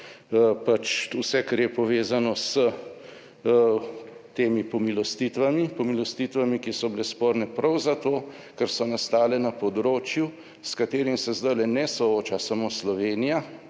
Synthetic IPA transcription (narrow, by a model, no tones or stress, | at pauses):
pat͡ʃusɛkaɾjɛpɔʋeːzanɔsə | t̪eːmipɔmilɔst̪it̪ʋamipɔmilɔst̪it̪ʋamikisɔblɛspoːɾnɛpɾɐwzat̪oː | kɛɾsɔnast̪aːlɛnapɔd̪ɾoːt͡ʃju | skat̪eːɾimsɛzd̪ajlɛnɛsɔoːt͡ʃasamoːslɔʋeːnija